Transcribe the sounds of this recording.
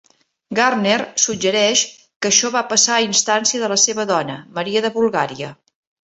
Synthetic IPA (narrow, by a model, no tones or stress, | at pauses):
ɡarnersud͡ʒəɾɛʃ | kəʃɔβapəsaːinst̪ansiəðələseβəðɔnəməɾiəðəβulˠɣaɾiə